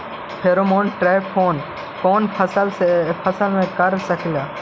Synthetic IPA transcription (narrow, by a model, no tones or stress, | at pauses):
pʰeːɾomoːnʈɾaːjpʰoːn | koːnpʰəsəlsepʰəsəlmẽːkəɾsəkʰlaː